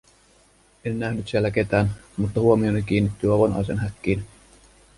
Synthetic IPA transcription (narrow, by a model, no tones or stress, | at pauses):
enːæhnyt̪sielːæke̞t̪æːnmut̪ːɑhuomionik̟iːnːit̪ːyɑʋɑnhɑ̰jsenɦækːiːn